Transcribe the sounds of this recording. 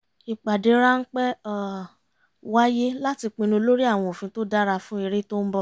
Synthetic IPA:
i˨k͡pa˨de˧˦ɾa˦n̩˦k͡pɛ˦a˦ | wa˦je˦la˦ti˧k͡pĩ˧nũ˧lo˦ɾi˦a˦˨w̃ɔ̃˧o˨fĩ˧to˦da˦ɾa˧fũ˦e˧ɾe˦to˦m̩˦bɔ˧˦

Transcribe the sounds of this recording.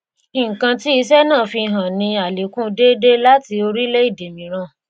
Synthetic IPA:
i˨ŋ̩˨kã˧ti˦i˧sɛ˦nãː˦˨fi˧ɦã˨nĩ˧a˨le˨kũ˦de˦de˦la˦ti˧o˧ɾi˦le˦i˦˨de˨mĩ˨˦ɾ̃ã˧˦˨

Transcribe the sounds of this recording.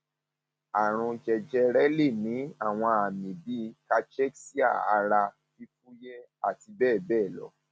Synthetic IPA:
a˨ɾ̃ũ˧d͡ʒɛ˧d͡ʒɛ˧ɾɛ˦le˦˨nĩ˨˦a˦˨w̃ɔ̃˧a˨mĩ˨bi˨˦ka˦t͡ʃɛ˦ksi˦a̰˦˨a̰˨˧ɾa˧ | fi˦fu˦jɛ˦ | a˦˨ti˧bɛː˦˨bɛː˦˨lɔ̰˨˦

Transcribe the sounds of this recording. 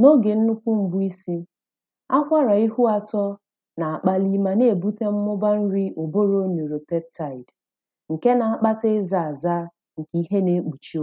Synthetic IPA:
no˦ɡe˨n̩˦nʊ˦kʷu˦m̩˨bʊ˦i˦si˦ | a˦kʷa˦ɾa˨i˦ɦu˦a˨tɔ˦ | na˨a˨k͡pa˦li˦ma˨ne˦˨e˨bu˦te˦m̩˦mʊ˦ba˦n̩˦ɾi˦ʔo˨bo˦ɾo˦nu˨ɾo˨pe˦p̚ta˨ɪ˨d | ŋ̩˨ke˦na˨a˦˨k͡pa˦te˦za˨a˨za˦ | ŋ̩˨ki˨˦i˦ɦe˦ne˨˦k͡pu˨t͡ʃi˦o˦

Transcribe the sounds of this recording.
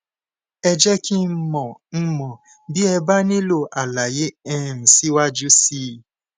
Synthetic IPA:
ɛ˧d͡ʒɛ˦ki˦mɔ˨m̩˦mɔ̃˨ | bi˦ɛ˧ba˦nĩ˦lo˦˨ʔa˨la˨je˨˦ɛ˦˨n̩˨si˦wa˦d͡ʒu˦si˦

